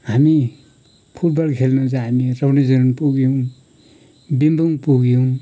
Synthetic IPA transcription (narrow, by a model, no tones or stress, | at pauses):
ɦami | pʰuʈ̚bʌlkʰelnud͡zamiɾʌbnid͡zʌɾunpuɡijow | bind̪ʱuŋpuɡijuw